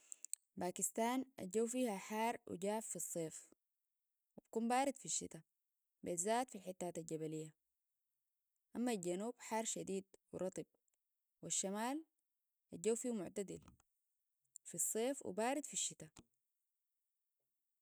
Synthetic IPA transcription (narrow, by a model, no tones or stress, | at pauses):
baːkist̪aːnʔa̰ɟawfiːhaħɑːɾˤwḭɟaːffisˤːeːf | wib̥akuːmbaːɾid̪fiʃːḭt̪a | bezaːt̪filħit̪ːaːt̪alɟabalijːa | ʔamːalɟanuːb̥ħɑːɾˤʃad̪iːd̪wḭɾˤɑt̪ˤib̥̚ | wiʃːamaːl | ʔad͡ʒawfiːhmʊʕt̪ad̪ḭl | fisˤːeːfwḭbaːɾid̪fiʃːit̪a